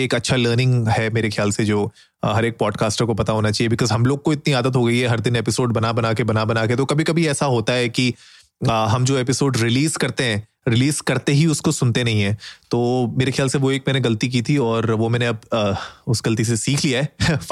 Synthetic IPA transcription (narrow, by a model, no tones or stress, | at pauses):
eːkɐtːʃʰaləːɾnɪ̃ŋɡɦɛmeːɾexjaːlsed͡ʒoː | ɦɐɾeːk̚pɔːɖkaːsʈəɾkopɐt̪aɦoːnat͡ʃaːɦiebɪkɔːzɦɐmloːɡ̚koɪt̪niaːd̪ət̪ɦoɡɐiɦɛɦɐɾd̪ɪnepɪsoːɖ̚bɐnabɐnakebɐnabɐnaket̪okɐbʱikɐbʱiɛːsaɦoːt̪aɦɛki | ɦɐ̃md͡ʒoːeːpɪsoːɖɾɪliːzkɐɾt̪eɦɛ̃ː | ɾɪliːzkɐɾt̪eɦiʊskosʊnt̪enɐɦĩɦɛ̃ːt̪oːmeːɾexejaːlseʋoeːk̚mɛːneɡɐlt̪ik̬iːt̪ʰiɔːɾʋomɛːneɐb̚ʊsɡɐlt̪̬is̬esiːkʰliaɦɛ